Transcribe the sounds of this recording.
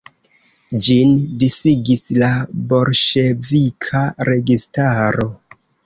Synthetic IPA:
d͡ʒindisiɡislabo̞ɾʃe̞vikʰaɾe̞ɡistaɾo̞

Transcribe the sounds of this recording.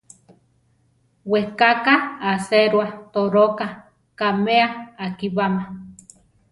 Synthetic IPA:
wehkakaːseɾwat̪oɾoka | kameaːkiβama

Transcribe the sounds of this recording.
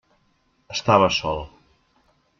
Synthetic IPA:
əst̪aβəsɔlˠ

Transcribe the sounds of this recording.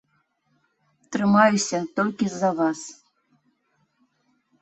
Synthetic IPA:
t̪rɨmɑjusʲat̪olʲkʲizɑvɑs

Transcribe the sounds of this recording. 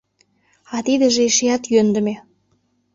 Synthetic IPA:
ɑt̪id̪ə̆ʒeeʃejɑt̪jønd̪ə̆me

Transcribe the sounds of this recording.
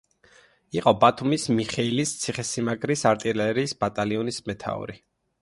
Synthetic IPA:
iqʼɔbat̪ʰumismiχɛilist̪sʰiχɛsimaɡɾisaɾt̪ʼilɛɾiːsbat̪ʼaliɔnismɛt̪ʰa̰ṵɾi

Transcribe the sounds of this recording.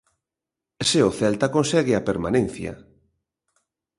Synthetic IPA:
sɪoθɛlt̪akonsɛɣɪapeɾma̰nẽn̟θjɐ̰

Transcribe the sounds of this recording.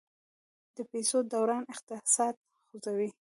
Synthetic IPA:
d̪̥əpesod̪awɾɑnɪqt̪ɪsɑd̪̚ | xozawi

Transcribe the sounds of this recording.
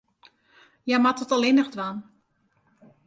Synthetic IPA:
jamatɔtalˠɪnəxdʋan

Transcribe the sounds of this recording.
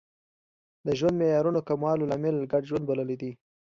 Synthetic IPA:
d̪əʒwand̪mejɑɾunokamwɑlolɑmɪlɡaɖʒwand̪̚baləlid̪i

